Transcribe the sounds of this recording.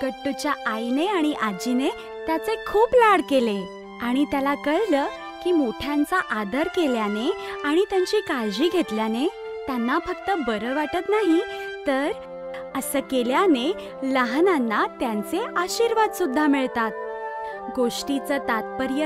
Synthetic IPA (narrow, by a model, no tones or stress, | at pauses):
ɡəʈːut͡ɕjaajneaɽ̃iʔad͡ʑine | t̪jat͡sekʰuːplaɽkele | aɽ̃it̪jalakəɭləː | kiːmoʈʰjant͡saʔad̪ʱəɾkeljaneaɽ̃it̪jaɲt͡ɕiːkad͡ʑiːɡʱet̪ljane | t̪janːafək̚t̪əbəɾəʋaʈət̪naɦit̪əɾ | əsəkeljane | ləɦnanːat̪jant͡seaɕiɾʋad̪sud̪ʱːamiɭt̪at̪̚ | ɡoʂʈit͡sət̪at̪̚pəɾjə